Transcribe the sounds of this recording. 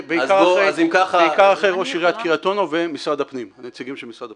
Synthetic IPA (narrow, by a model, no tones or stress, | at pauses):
beizkaʁaoʁezimkaχaeikaʁaχeʁoʃiʁeat̪kiʁat̪o̞novemisʁad̪apnimanet͡siɡimʃemisʁad̪a